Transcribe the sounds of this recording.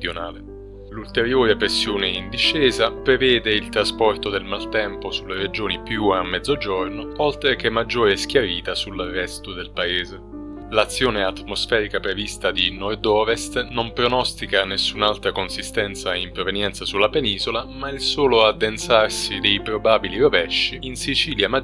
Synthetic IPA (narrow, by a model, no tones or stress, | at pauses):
d̪jonaːle | lult̪eɾjoːɾepɾesːjoːneind̪iʃːɛːzapɾevɛːd̪eilt̪ɾaspɔrt̪od̪elmalt̪ɛmposulːeɾed͡ʒoːnipjuamːɛd̪zːod͡ʒornoɔlt̪ɾekemːad͡ʒːoːɾesk̟jaɾiːt̪asulːarːɛst̪od̪elpaeːze | lat̪sːjoːneat̪ːmosfɛːɾikapɾevist̪ad̪inɔrd̪ɔːvest̪nompɾonɔst̪ikanesːunalt̪ɾakonsist̪ɛnt̪saimpɾovenjɛnt̪sasulːapeniːzolamailsoːload̪ːensarsid̪ejpɾobaːbiliɾovɛʃːiinsit͡ʃiːljama